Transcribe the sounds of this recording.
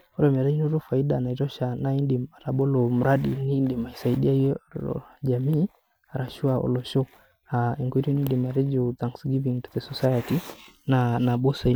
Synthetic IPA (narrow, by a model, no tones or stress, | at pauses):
ɔɾɔmaɾaɲinɔɾɔfaiɗanaiɾɔʃanaindiaɾaɓɔlɔm̩ɾaɗinindimaisaiɗiaiɔ̰d͡ʒamiː | aɾaʃuaɔ̰lɔʃɔ | aiŋɡwiɾinindimaɾɛd͡ʒiɔtaŋksɡiviŋtuðɛsɔsajatinanaɓɔsa